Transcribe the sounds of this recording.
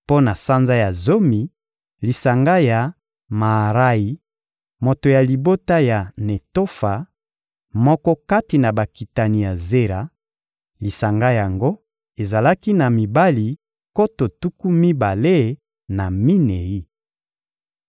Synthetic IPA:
po˦na˨sa˦nza˦ja˨zo˦mi˨ | li˨sa˨ŋɡa˦ja˨ | ma˨ɾa˦i˨ | mo˨to˨ja˨li˨bo˦ta˦ja˨ne˨to˦fa˨ | mɔ˦kɔ˦ka˦ti˨na˨ba˨ki˨ta˨ni˨ja˨ze˦ɾa˨ | li˨sa˨ŋɡa˦ja˨ŋɡo˦ | e˨za˨la˦ki˦na˨mi˨ba˦li˨ | ko˦to˨tu˦ku˦mi˦ba˨le˦˨ | na˨mi˦ne˨i˦

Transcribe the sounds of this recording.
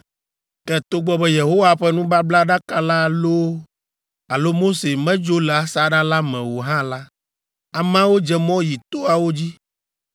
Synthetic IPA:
kɛ˦t̪o˦ɡ͡bɔ˦bɛ˦je˨ɦo˦wa˨ɸɛ˦nũ˦ba˦bla˦ɖa˦ka˨la˦˨lo˦ | a˨lo˦mo˦se˨mɛ̃˦d͡ʒo˦lɛ˨a˨sa˦ɖa˦la˦mɛ̃˨wo˨ɦã˦la˦ | a˨mã˦wo˦d͡ʒɛ˦˨mɔ̃˦ji˨t̪o˦a˨wo˦d͡ʑi˦

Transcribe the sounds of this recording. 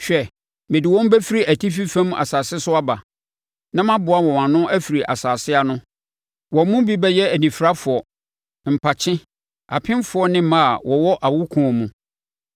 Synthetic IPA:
ɕᶣɛ˨ | mɪ̃˨dɪ˨wɔ̃˦m˦bɛ˦fi˦ɾi˦ʔæ˨tʰi˦fi˦fæ̃˦m˦a̰˨saː˨sɪ˦sʊ˦a˦ba˨ | nã˦mã˦bʊ˨˦a˦˨wɔ̃˨wã˨nʊ̃˦ʔæ˦fi˨ɾi˨ʔa̰˨saː˨sɪ˦a˨nʊ̃˦ | wɔ̃˨mũ˦bi˦bɛ˦jɛ˦æ˨nĩ˨fɾa˦fʊ˨ɔ˨ | m̩˨pʰa˨t͡ɕʰɪ̃˦ | a̰˨pʰɪ̃˦mfʊ˨ɔ˦nɪ̃˦mã˦a˨wɔ˨wɔ˦ʔa˨wʊ˦kʰũ˨ɔ˨mũ˨

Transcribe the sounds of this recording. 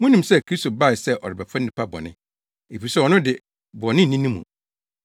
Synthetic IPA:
mũ˦nĩ˨msɛ˦kʰɾi˦sto˨ba˦ɪ˨sɛ˦ʔɔ̰˨ɾɪ˨bɛ˨fʰã˦nː˦ĩ˨pʰa˦bɔ̰˨nɪ̰̃˦ | e˨fi˨sɛ˦ɔ˨nʊ̃˦dɪ˨ | bɔ˨nɪ̃˦n̩˨nĩ˦nĩ˦mṵ̃˨

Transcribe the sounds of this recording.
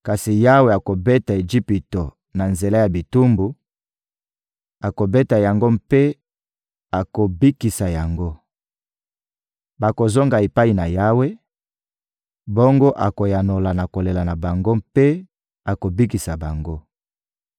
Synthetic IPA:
ka˨si˨ja˦we˨a˨ko˨be˦ta˨e˨d͡ʒi˦pi˨to˨ | na˨nze˨la˦ja˨bi˨tu˦mbu˨ | a˨ko˨be˦ta˨ja˨ŋɡo˦mpe˦ | a˨ko˨bi˦ki˨sa˨ja˨ŋɡo˦ | ba˨ko˨zo˦ŋɡa˨e˨pa˦i˨na˨ja˦we˦ | bo˦ŋɡo˦ʔa˨ko˨ja˨no˨la˨na˨ko˨le˨la˨na˨ba˨ŋɡo˦mpe˦ | a˨ko˨bi˦ki˨sa˨ba˨ŋɡo˦

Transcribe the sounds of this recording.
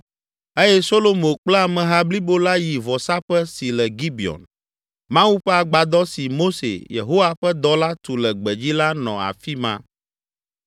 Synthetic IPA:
e˦jɛ˦so˦lo˦mo˨k͡plɛ˦a˨mɛ̃˨ɦa˦bli˦bo˦la˦ji˨vɔ˨sa˦ɸɛ˦si˨lɛ˨ɡi˦bi˨ɔ̰˨n | mã˦wu˦ɸɛ˦a˨ɡ͡ba˨d̪ɔ˦si˨mo˦sḛ˨jḛ˨ɦo˦wa˦ɸɛ˦d̪ɔ˦la˦t̪u˨lɛ˨ɡ͡bɛ˨d͡ʑi˦la˦nɔ̰̃˨a̰˨fi˦mã̰˦

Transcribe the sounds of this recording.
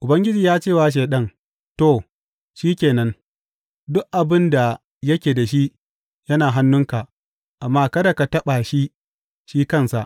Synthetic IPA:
ʔʊ˨bɐ˦ŋɡʲɪ˦d͡ʒiː˨jaː˦t͡ʃeː˦˨waː˦ʃ̬eː˨ɗɐ˦n | to˦˨ | ʃiː˦kʲeː˨nɐ˦n | dʊ˦kʔa˨bɪ˦nda˨ | jɐ˦kʲeː˨da˨ʃi˦ʔ | jɐ˦naː˨ɦa˦nːʊ˦ŋka˨ | ʔa˨mːaː˦kɐ˦da˨ka˨tɐ˦ɓa˨ʃi˦ | ʃiː˦kɐ˦˨nsa˨ʔ

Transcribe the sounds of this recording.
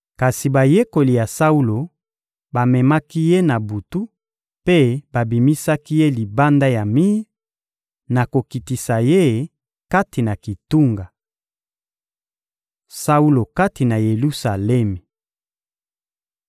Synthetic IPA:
ka˨si˨ba˨je˦ko˨li˨ja˨sa˦u˦lo˨ | ba˨mɛ˨ma˦ki˦je˦na˨bu˨tu˦ | pe˦ba˨bi˨mi˦sa˦ki˦je˦li˨ba˦nda˦ja˨mi˦ | na˨ko˨ki˨ti˨sa˨je˦ | ka˦ti˨na˨ki˨tu˦ŋɡa˨ | sa˦u˦lo˨ka˦ti˨na˨je˨lu˦sa˨lɛ˦me˨

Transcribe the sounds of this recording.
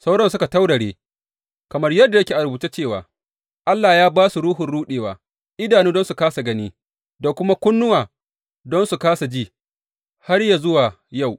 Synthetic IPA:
sa˦wɽɔ˦nsʊ˦ka˨ta˦wɽɐ˨ɽeː˦ | kɐ˨mɐ˦rjɐ˦dːa˨jɐ˦kʲe˨ʔa˨ɾbuː˨t͡ʃe˦t͡ʃeː˦˨wa̰ː˨ | ʔa˦lːaː˨jaː˦baː˦su˨ɽuː˦ɦʊ˨nɽuː˦ɗeː˨waː˨ | ʔɪ˦daː˨niː˦dɔ˦nsu˨kaː˦sa˨ɡɐ˦niː˦ | da˨kʷʊ˦ma˦kʷʊ˦nːʊ˦waː˨ | dɔ˦nsu˨kaː˦sa˨d͡ʒiː˦˨ | ha˦rja˨zʊ˦waː˨ | ja˦˨w

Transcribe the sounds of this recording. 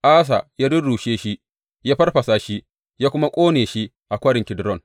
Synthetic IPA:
ʔaː˦s̬a˨jaː˦dʊ˦nɽuː˨ʃeː˦ʃi˦ | jaː˦ɸɐ˦rɸɐ˨sa˨ʃi˦ | jaː˦kʷʊ˦ma˦kʷʼoː˦neː˨ʃi˦ | ʔa˨kʷɐ˦ɽɪ˨ŋkʲɪ˨dɾɔ˦˨n

